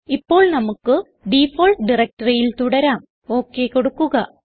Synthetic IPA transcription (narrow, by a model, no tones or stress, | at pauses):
ipːo̞ːɭnɐmukːɨ | ɖifoːɭʈɖirɐk̚ʈɐrijilt̪uɽɐɾaːm | o̞ːkːe̞koɽukːuɣɐ